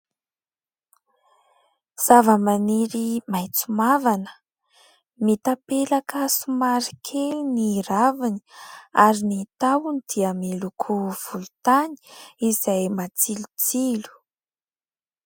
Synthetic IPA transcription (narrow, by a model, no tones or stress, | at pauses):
z̥avəmaneɾimajt͡sumavanə̥ | mit̪apelakəsumaɾi̥kʰeluniɾavini̥aɾinit̪awunid̪̥iamelukʰuv̥ulut̪ani̥izajmat͡silu̥t͡silu̥